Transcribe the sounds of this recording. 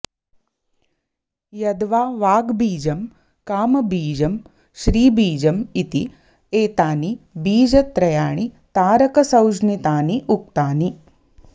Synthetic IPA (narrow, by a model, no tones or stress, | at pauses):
jɐd̪ʋaːʋaːɡbiːd͡ʒɐm | kaːmbiːd͡ʒəm | ʃɾiːbiːd͡ʒəmit̪ḭ | eːt̪aːnibiːd͡ʒət̪ɾɐjaːɳ̃it̪aːɾəkəsɐwd͡ʒnit̪aːniʔuk̚t̪aːni